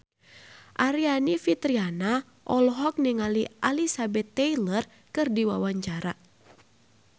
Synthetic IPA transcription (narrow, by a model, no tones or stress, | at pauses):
ʔaɾianifit̪ɾiana | ʔɔlɔɦɔk̚niŋaliʔalisabɛt̪ːɛilər | kɨrdiwawaɲt͡ʃaɾa